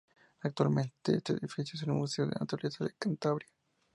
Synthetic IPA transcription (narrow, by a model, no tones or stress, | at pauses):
ak̚t̪walment̪eḛst̪eḛðifisjoes̬enmuseoðḛnat̪alesaðekant̪aβɾja